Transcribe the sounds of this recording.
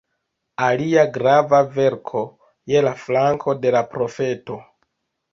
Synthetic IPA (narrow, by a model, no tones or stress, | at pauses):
aliaɡɾavave̞ɾkʰo̞ | je̞laflaŋkʰo̞de̞lapɾo̞fe̞to̞